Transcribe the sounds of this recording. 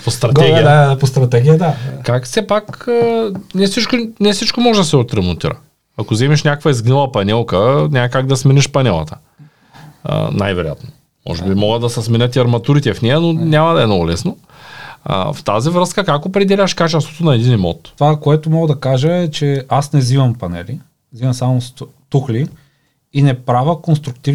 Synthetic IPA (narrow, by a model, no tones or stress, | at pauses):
post̪ɾɐd̪ɛipost̪ɾɐt̪ɛɡʲijəd̪akakfsɛpakənɛsit͡ʃkonɛsit͡ʃkomɔʒɛd̪ɐsɛot̪ɾɛmont̪iɾə̰ | ɐkozɛmiʃnʲakəkvəizɡnɛlˠəpɐnʲɛlˠkənʲaɐkaɡ̚d̪ɐsminʲiʃpɐnʲɛlˠə̰t̪ə̥ | ə̰na̰jvɛɾo̰ʊja̰t̪no | mɔ̰ʒɛbimɔɡəd̪ɐsɛsminʲət̪iɐɾmɐt̪uɾit̪ɛfnɛjɐnonʲamɐd̪ɐɛmnɔɡʊlɛsno̰ | ft̪azivɾɤskəkakopɾɛd̪ɛlʲəʃkat͡ʃɛst̪vo̥t̪onɐɛd̪inimɔ̰t̪vakoɛt̪ʊmɔɡəd̪ɐkaʒəɛt͡ʃɛasnɛzivɐmpɐnɛ̰li | zivɐmsamost̪uxliː | nɛpɾavəkonst̪ɾʊkt̪iv